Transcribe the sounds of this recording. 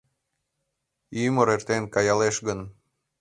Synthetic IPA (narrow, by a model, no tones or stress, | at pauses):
yməɾert̪enkɑjɑleʃɣən